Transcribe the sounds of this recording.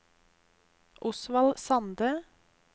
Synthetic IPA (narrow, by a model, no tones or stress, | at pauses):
ʔʊsʋɑlsɑnd̪ə